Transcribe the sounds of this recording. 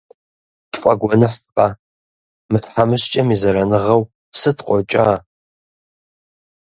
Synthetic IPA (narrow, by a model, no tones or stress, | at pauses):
tʼfʷʼɐɡʷɔnɨħpʼa | mɨtħamɨɕt͡ʃʼɐmizɐɾɐnɨʁɐw | sɨtqʷʼɔt͡ʃʼa